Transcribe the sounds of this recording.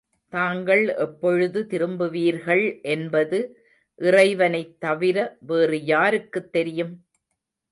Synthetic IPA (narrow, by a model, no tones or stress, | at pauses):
t̪aːŋɡɐɭʔɛpːɔɻɯðɯt̪ɪɾɯmbɯʋiːɾɣɐɭʔɛnbɐðɯ | ʔɪrɐɪʋɐnɐɪt̪ːɐʋɪɾɐʋeːrɯjaːɾɯkːɯt̪ːɛɾɪjɯm